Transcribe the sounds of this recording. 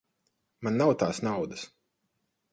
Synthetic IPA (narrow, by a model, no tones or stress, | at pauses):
manːawt̪aːsnawd̪əs